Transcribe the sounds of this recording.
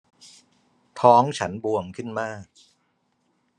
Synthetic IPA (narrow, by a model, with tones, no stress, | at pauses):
t̪ʰɔː˦˥ŋt͡ɕʰa˦˥nbu˧əmkʰɯ˥˩nmaː˥˩k̚